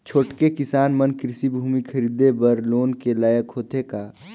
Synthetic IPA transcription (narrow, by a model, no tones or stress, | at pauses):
t͡ʃʰoːʈkekɪsaːnmənkɾɪsibʱuːmikʰɐɾiːd̪ebəɾloːnkelaːjəkɦoːt̪ekaː